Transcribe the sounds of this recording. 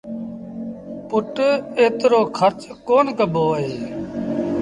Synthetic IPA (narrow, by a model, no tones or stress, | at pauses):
pʊʈeːt̪ɾoːkʰəɾt͡ʃkoːnkəbʱoːɦeː